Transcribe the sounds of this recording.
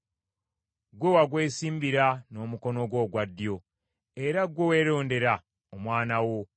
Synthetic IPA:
ɡwewaɡwe̞ːsiːmbiɾano̞muko̞no̞ɡwo̞ːɡwadːjo̞ | e̞ɾaɡwo̞we̞ɾo̞ːnde̞ɾa | omwaːnawo̞

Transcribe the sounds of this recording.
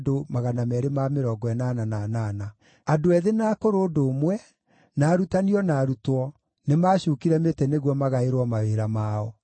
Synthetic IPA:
domaɣanamɛɾemameɾɔɡɔɛnanananaːna | adoɛðenaːkoɾoːdomwɛ | naːɾutaniɔnaːɾutwɔ | nemaːɕuːkiɾɛmetɛneɣwɔmaɣaeɾwɔmaweɾamaːɔ

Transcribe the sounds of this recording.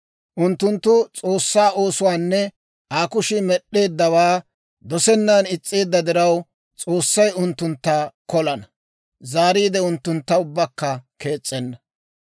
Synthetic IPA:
ʔʊnt̪ːʊnt̪ːʊt͡sʼo̞ːsːaːo̞ːsʊwaːnːɛ | ʔaːkʊʃɪmɛɗːe̞ːd̪ːɐwaː | d̪ɔsɛnːanɪt͡sʼːeːd̪ːɐd̪ɪɾɐw | t͡sʼo̞ːsːɐjʊnt̪ːʊnt̪ːakɔlɐnɐ | zaːɾiːd̪ɛʊnt̪ːʊnt̪ːɐʊbːɐkːɐke̞ːt͡sʼːɛnːɐ

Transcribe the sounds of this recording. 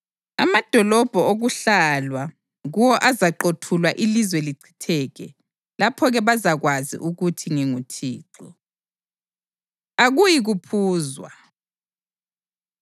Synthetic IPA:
a̰mad̥ʱɔlɔb̥ʱɔoɣuɬalwa | ɣuwɔʔazaǃotʰulwaʔilizwɛliǀʰi̥tʰɛɣɛ | lapʰɔɣɛβazaɣwazḭʔuɣutʰiŋiŋutʰiːǀɔ | aɣujiɣupʰuːzwa̰

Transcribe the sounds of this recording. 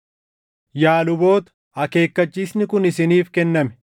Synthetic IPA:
jaːlʊbo̞ːt̪ɐ̥ | hɐke̞ːkːɐt͡ʃːiːsnɪkʊnɪsɪniːfkɛnːɐmɛ̥

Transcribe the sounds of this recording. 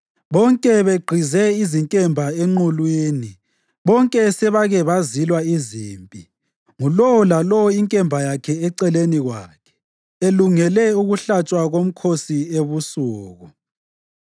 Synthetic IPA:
βɔŋkʼɛβeɡ͡ǃʱizɛiziŋkʼɛmbʱaeŋ͡ǃulwiːni | βɔŋkʼɛsɛβaɣɛβazilwaiziːmpʼi | ŋulɔwɔlalɔwɔiŋkʼɛmbʱajakʰɛɛǀɛleniɣwa̰kʰɛ̥ | eluŋɛlɛuɣuɬat͡ʃʼwaɣom̩kʰosieβusuːɣɔ

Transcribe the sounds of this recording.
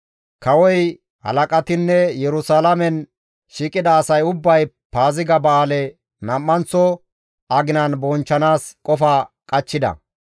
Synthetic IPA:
kɐwɔj | hɐ̰lɐkʼɐt̪ɪnːɛjɛɾʊsaːlɐmɛn | ʃiːkʼɪd̪ɐːsɐjʊbːɐj | paːzɪɡɐbɐaːlɛ | nɐmːɐnt͡sːɔ | ʔɐɡɪnɐnbɔnt͡ʃːɐnaːskʼɔfaːkʼɐt͡ʃːɪd̪ɐ̰

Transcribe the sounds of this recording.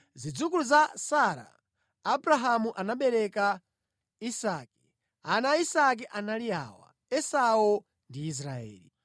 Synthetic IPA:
zid͡zukuluzasaɾa̰ː | bɾaɦamuʔanaɓɛɾɛka | isaːkɛ̥ | anaisak̬ɛʔanalia̰wa̰ | ɛsau | ndiːs̬ɾaɛ̰ːli

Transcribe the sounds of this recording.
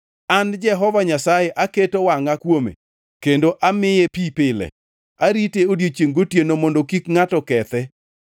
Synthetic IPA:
and͡ʒɛɦɔvaɲasajeʔaketowaŋakwomḛ | kendoʔamɪjepipɪlɛ̰ | aɾiteodjet͡ʃjeŋɡotjenomondokikŋatɔkɛt̪ɛ

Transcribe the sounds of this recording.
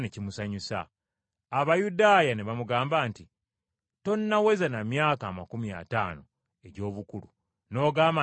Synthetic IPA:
necimusaɲusa̰ː | βajudaːjaneβamuɡaːmbaːnti | to̞nːawe̞zanamjaːkaːmakumia̰taːno | e̞ɟo̞ːβukulu | no̞ːɡaːma

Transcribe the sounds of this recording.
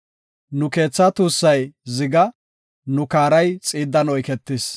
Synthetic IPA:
nʊke̞ːt͡sːɐt̪uːsːɐjzɪɡɐ | nʊkaːɾɐjt͡sʼiːd̪ːɐnɔjkɛt̪ːɪs

